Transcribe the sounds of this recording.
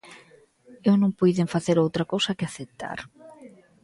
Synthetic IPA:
ewnõŋpujðeŋfaθeɾowt̪ɾɐkowsɐkɪaθet̪a̰ɾ

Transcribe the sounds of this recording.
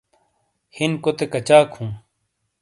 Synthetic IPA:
hinkot̪ekɐt͡ɕaːkʰhũː

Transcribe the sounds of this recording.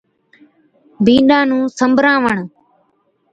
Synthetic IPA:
bĩːɗãːnũːsəmbʱɾãːʋəɳ

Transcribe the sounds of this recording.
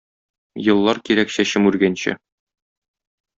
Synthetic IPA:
jɤ̆lˠːɑɾkiɾækɕæɕɘmʉɾɡænɕɘ̰

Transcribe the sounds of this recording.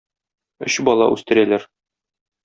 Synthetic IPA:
ɵ̰̆ɕbɒlˠɑ̰ʔʉst̪ɘ̆ɾælæɾ

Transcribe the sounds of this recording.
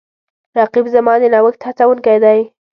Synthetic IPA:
ɾɑqɪbzamɑd̪enawəkt̪ʰat͡sawənkajd̪aj

